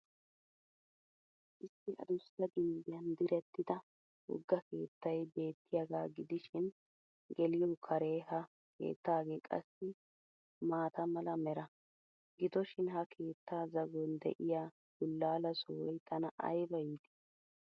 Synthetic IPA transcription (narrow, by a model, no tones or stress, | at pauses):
ʔɪsːɪʔɐ̰d̪ʊst̪ːɐɡɪnd̪ɪjɐnd̪ɪɾɛt̪ːɪd̪ɐ | wɔ̰ɡːɐke̞ːt̪ːɐjbe̞ːt̪ːɪjɐɡaːɡɪd̪ɪʃɪn | ɡɛlɪjɔkʰɐɾe̞ːhɐ | kʰḛːt̪ːaːɡeːkʼɐ̰sːɪ | maːt̪ɐmɐlɐmɛɾɐ | ɡɪd̪ɔʃɪnhɐkʰe̞ːt̪ːaːzɐɡɔnd̪ɛ̰ʔɪjaː | ɡ̥ʊlːaːlɐsɔwɔjt̪ʰɐnɐʔɐ̰jbɐjiːd̪ɪ̥